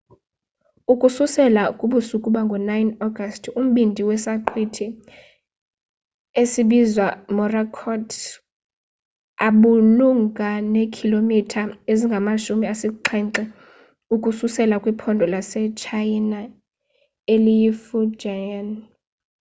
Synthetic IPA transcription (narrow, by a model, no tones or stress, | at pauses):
ukʼususɛlakʼuɓusukʼuɓaŋɡʱɔnajnɔɡastʰum̩ɓindʱiwɛsaǃʰwitʰi | esiɓizwamɔrakʰɔtʰ | aɓuluŋɡʱanekʰilomitʰaeziŋɡʱamaʃumiasiǃʰɛǁɛ | ukʼususɛlakʼwipʰɔndʱɔlasɛt͡ʃʰajina | elijifud͡ʒajan